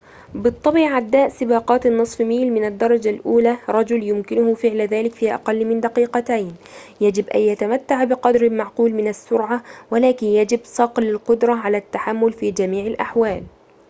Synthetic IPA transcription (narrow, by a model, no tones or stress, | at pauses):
bɨt̪ˤːɑbiʕad̪ːaːʔsɪbɑːqɑːt̪ɪnːɨsˤfmiːlmɪnad̪ːɑɾˤɑd͡ʒalʔuːlaːɾˤɑd͡ʒʊljʊmkɪnʊhʊfɪʕlðaːlɪkfiːʔɑ̰qɑlːmɪnd̪ɑqiːqɑt̪ajnjad͡ʒɪbʔa̰njat̪amat̪ːaʕbɪqɑd̪ɾɪlmaʕquːlmɪnasːʊɾʕawalaːkɪnjad͡ʒɪbsˤɑqlɪlqʊd̪ɾˤɑʕalaːt̪ːaħamːʊlfiːd͡ʒamiːʕɪlʔaħwaːl